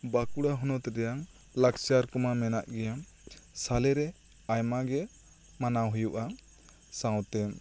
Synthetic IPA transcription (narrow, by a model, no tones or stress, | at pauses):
bakuɽaɦɔnɔt̪ɾɛjaŋ | laksaɾkɔmamɛnaʔɡɛja | salɛɾɛ | ajmaɡɛ | manawɦujuʔa | sãwt̪ɛm